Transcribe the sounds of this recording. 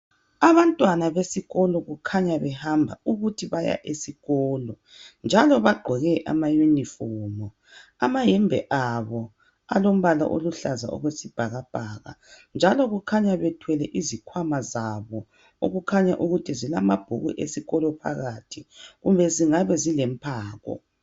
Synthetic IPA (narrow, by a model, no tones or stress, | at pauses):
aβantʼwanaβesiɣɔlɔɣukʰaɲaβɛhambʱa̰uɣutʰiβaja̰ʔesiɣɔːlɔ | nd͡ʒʱalɔβaɡ͡ǃʱɔɣɛʔa̰majunifɔːmɔ | amajɛmbʱɛ̰ʔaβɔ | a̰lom̩βala̰ʔo̰luɬaza̰ʔɔ̰ɣwesib̥ʱaɣab̥ʱaːɣa̰nd͡ʒʱalɔɣukʰaɲaβɛtʰwɛlɛʔizikʰwamazaβɔ | o̰ɣukʰaɲaʔuɣutʰizilamab̥ʱuɣṵʔesiɣɔlɔpʰa̰ɣatʰiɣumbʱɛziŋaβɛzilɛmpʰaːɣɔ̰